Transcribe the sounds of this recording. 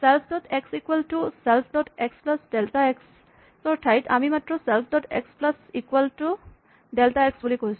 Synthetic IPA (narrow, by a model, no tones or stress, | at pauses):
sɛlpʰdɔtʰeksikwaltusɛlpʰdɔtʰeksplasdɛltaeks | sɔɹtʰajtʰa̰mimatɹɔsɛlpʰdɔtḛksplasikuwaltu | dɛltaeksbulikoɦjs